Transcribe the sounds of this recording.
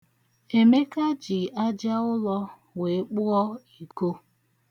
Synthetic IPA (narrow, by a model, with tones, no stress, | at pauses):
e˨me˦ka˦d͡ʒi˨a˦d͡ʒa˦ʊ˦lɔ˦ | we˨˦k͡pʊ˦ɔ˦i˨ko˦